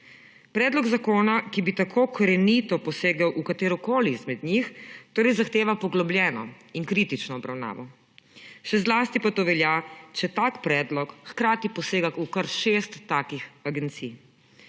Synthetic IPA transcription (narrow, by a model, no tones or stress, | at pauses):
pɾɛːd̪lɔɡzakoːnakibit̪akʰoːkɾɛnit̪ɔpɔseːɡawʔukat̪eːɾɔkoːlizmɛd̪ɲixt̪oːɾɛjzaxt̪eːʋapɔɡlɔbljɛːnɔ | iŋkɾiːt̪it͡ʃnɔːbɾawna̰ːʋɔ | ʃɛzlaːst̪ipat̪oːʋɛljat͡ʃɛt̪aːkpɾɛːd̪lɔkxkɾaːt̪ipɔseːɡaukəɾʃeːst̪ːaːkixaɡɛnt̪sij